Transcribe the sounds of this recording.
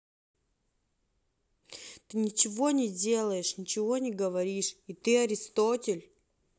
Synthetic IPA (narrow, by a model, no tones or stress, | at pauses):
t̪ɨnʲɪt͡ɕɪvo̞nʲɪdʲe̞lˠəjɪʂnʲɪt͡ɕɪvo̞nʲɪɡəvɐɾʲiʂit̪ɨɐɾʲɪst̪otʲɪlʲ